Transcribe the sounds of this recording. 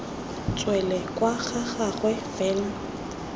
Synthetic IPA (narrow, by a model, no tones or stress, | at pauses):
t͡sʼwɛlɛkʼwaɣaɣaɣwɛfɛːlm